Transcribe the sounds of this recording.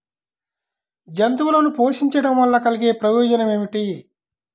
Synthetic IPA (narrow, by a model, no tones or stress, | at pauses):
d͡ʒɐnt̪uʋulɐnupoːʂiɲt͡ʃɐɽɐmʋɐlːɐkɐliɡe̞ːpɾɐjɔːd͡ʒɐnɐme̞ːmiʈi